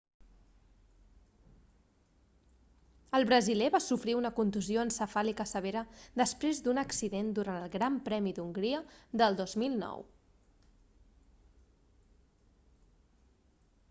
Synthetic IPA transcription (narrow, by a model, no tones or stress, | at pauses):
əlˠβɾəzilɛβasufɾiunəkunt̪uzioənsəfalikəsəβ̞eɾəd̪əspɾezd̪unəksiðend̪uɾanəlˠɣɾampɾɛmiðuŋɡɾiəðəlˠd̪ozmilˠnɔ̰w